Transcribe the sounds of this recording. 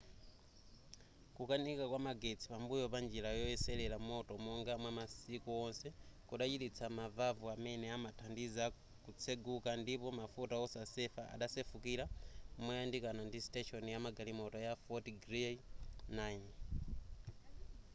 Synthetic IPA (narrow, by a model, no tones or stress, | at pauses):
kukanikakwamaɡet͡sʰi̥pambujɔpand͡ʒiɾajɔɛsɛlɛlamɔtɔmɔŋɡamwamasikuɔnsɛkuɗat͡ʃitit͡sʰamavavuamɛnɛamatʰandiza | kut͡sʰeɡukandipɔmafutaɔsasɛfaʔa̰ɗasefukiɾamɔjandikanandistɛʃɔnijamaɡalimɔtɔjafɔtɡɾenajn